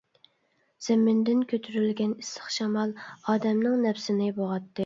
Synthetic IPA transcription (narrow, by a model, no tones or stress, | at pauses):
z̥ɪmɪnd̪ɪnkʲʰøt̪ʰyɾylɡʲɛnisə̥χʃɑmɑlˠɑːd̪ɛmnɪŋnɛpsɪnɪboʁɑt̪ːɨ